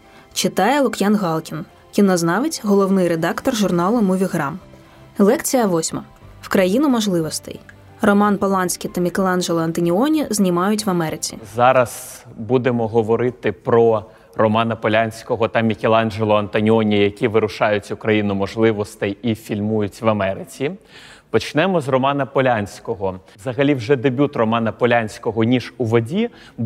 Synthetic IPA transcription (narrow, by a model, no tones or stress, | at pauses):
t͡ʃɪt̪ɑjɛlˠʊkjanɣɑlˠkʲin | kʲinɔznɑʋɪtʲɦɔlˠɔwnɪjred̪ɑkt̪ɔrʒʊrnɑlˠʊmʊʋʲiɣɾɑm | lˠɛkt͡sʲijɐʋɔsʲmɐ | wkɾɐjinʊmɔʒlˠɪʋɔst̪ɛ̰j | rɔmɑnpɔlˠɑnʲsʲkʲit̪ɐmʲikʲelˠɑnʒelˠɔɐnt̪ɐnʲiɔnʲiznʲimɑjʊtʲʋɐmɛɾɪt͡sʲḭzɑɾɐz̥bud̪emɔɦɔʋɔɾɪt̪ɪpɾɔ | rɔmɑnɐpɔlʲanʲsʲkɔɦɔt̪ɐmʲikʲelˠɑnd͡ʒelˠɔɐnt̪ɐnʲiɔnʲijɐkʲiʋɪɾʊʃɑjʊtʲʊkɾɐjinʊmɔʒlˠɪʋɔst̪ɛjifʲilʲmujʊtʲʋɐmɛɾɪt͡sʲi | pɔt͡ʃnɛmɔzrɔmɑnɐpɔlʲanʲsʲkɔɦɔʋzɐɦɐlʲiwʒɛd̪ebʲut̪rɔmɑnɐpɔlʲanʲsʲkɔɦɔnʲiʒuʋɔdʲi